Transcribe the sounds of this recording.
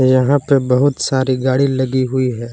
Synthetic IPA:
jɐɦãpebɐɦʊt̪saːɾiɡaːɽilɐɡiɦʊiɦɛː

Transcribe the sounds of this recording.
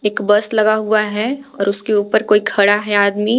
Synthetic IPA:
eːkbɐslɐɡaɦuaɦɛ | ɔːɾʊskeuːpəɾkoːikʰɐɽaɦɛaːd̪mi

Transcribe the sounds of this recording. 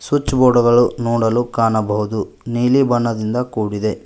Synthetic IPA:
sut͡ʃːbɔːɽɐɡɐɭunoːɽɐlukaːnɐbɐɦud̪u | niːlibɐɳːɐd̪ind̪ɐkuːɽid̪e̞

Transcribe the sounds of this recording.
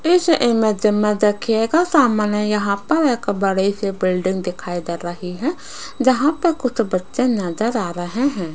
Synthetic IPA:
ɪsʔɪmẽd͡ʒɪmẽd̪ekʰieɡasaːmənɛjɐɦãpəɾɪkbəɽisebɪlɖɪ̃ŋɡd̪ɪkʰaːid̪aɾəɦiɦɛ̃ | d͡ʒɐɦãpəkʊt͡ʃʰbətːʃenəzəɾaːɾəɦẽɦɛ̃ː

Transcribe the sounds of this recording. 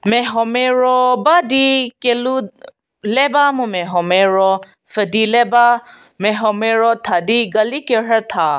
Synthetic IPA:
mɛɦɔmeɾɔbad̪ikelu | lebamũmɛɦɔmeɾɔ | fədileba | mɛɦɔmeɾɔt̪ʰad̪iɡɐlikeɦət̪ʰa

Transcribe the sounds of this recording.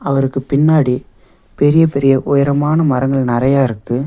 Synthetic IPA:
ɐʋɐɾɯkːɯpɪnːaːɽi | pɛɾɪjɐpɛɾɪjɐʔʊjɐɾɐmaːnɐmɐɾɐŋɡɐɭnɐɾɐjaːɪɾɯkːɯ

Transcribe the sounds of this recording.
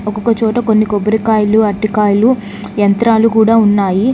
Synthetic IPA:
ɔkokɐt͡ʃɔːʈɐko̞nːikobɐɾikaːjluɐʈːikaːjɐlu | jɐnt̪ɾaːlukuːɽaːunːaːji

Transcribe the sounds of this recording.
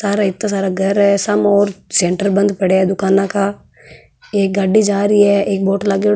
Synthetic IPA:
saːɾaɪt̪ːãs̬aːɾaɡʱɐɾɦɛsɐmɔːɾsẽːɳʈəɾbə̃nd̪pəɽeɛd̪ʊkaːnãkaː | eːk̚ɡaɖid͡ʒaːɾiɛːeːk̚boːʈlaɡe

